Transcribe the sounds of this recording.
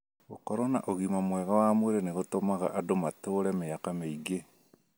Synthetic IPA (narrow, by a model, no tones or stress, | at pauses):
ɣokɔɾɔna̰ʔoɣimamwɛɣawamweɾeneɣotomaɣa̰ʔadomatoːɾɛmeakameiɡe